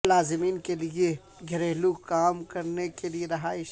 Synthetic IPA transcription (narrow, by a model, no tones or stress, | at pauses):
laːzɪmiːnkelie | ɡʱɐɾeːlukaːmkɐɾnekelieɾɐɦaːɪʃ